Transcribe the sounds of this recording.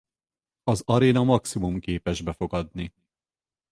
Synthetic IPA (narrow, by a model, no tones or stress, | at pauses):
ɒzɒɾeːnɒmɒksimumkeːpɛʒbɛfo̞ɡɒd̪ni